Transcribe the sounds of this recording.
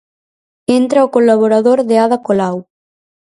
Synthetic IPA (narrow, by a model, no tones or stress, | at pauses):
ent̪ɾaokolaβoɾaðoɾðeaðakolaw